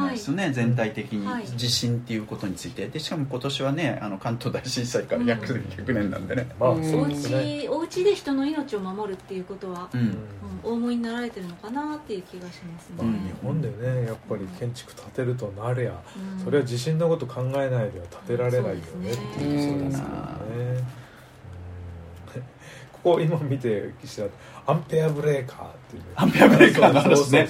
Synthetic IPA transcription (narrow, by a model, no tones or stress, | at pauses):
esjone̞d͡zẽ̞nt̪ait̪e̞kʲiɲ̟iid͡ʑiɕĩnt̪ːe̞jɯ̟ːko̞t̪o̞ɲ̟it͡sɨit̪e̞d̪e̞ɕi̥kamo̞ko̞t̪o̞ɕiβane̞a̰no̞kãnt̪oːd̪aiɕĩɰ̃saikaɾaçakɯ̟sẽŋ̃çʲakɯ̟nẽ̞nːã̰nd̪e̞nemasoeineoɯ̟t͡ɕid̪e̞çi̥t̪o̞no̞ino̞t͡ɕio̞mamo̞ɾɯ̟t̪ːe̞jɯ̟ko̞t̪o̞βaɯ̟̃ɯ̃o̞ːmo̞iɲ̟inaɾaɾe̞t̪e̞ɾɯ̟no̞kanat̪ːe̞jɯ̟kʲiɡaɕimasɨ̥̃ɲihõ̞nd̪e̞ne̞japːaɾʲikʰẽ̞ɲ̟t͡ɕi̥kɯ̟̥t̪ʰat̪e̞ɾɯ̟t̪̬o̞naɾɯjaso̞ɾe̞βad͡ʑiɕĩnːokot̪o̞kʰãŋɡae̞naid̪ejat̪ʰḁt̪e̞ɾaɾe̞naijo̞ne̞t̪ːejɯsoːd̪essɨ̥kḛo̰ne | ɯ̃ | kʰo̥koimamʲit̪e̞kʲi̥ɕiɾat̪ː | ãmpeabɯ̟ɾe̞ːkʰa̰ːt̪ːejɯneampeaekas